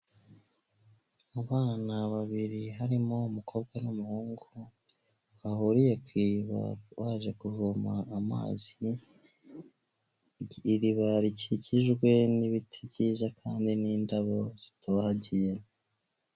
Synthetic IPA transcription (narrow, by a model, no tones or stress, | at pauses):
aβaːnaβaβiɾiɦaɾimoumukʰo̞ːb̚ɡwanumuhuːŋɡu | βahuɾije̞kwiβa̰βaʒe̞kuvumaːma̰ːz̥i | ɾiβaɾiciɟiʒɡwe̞niβitʰibɟiːzakʰaːndiniːndaβo̞z̥i̥taβahaɟije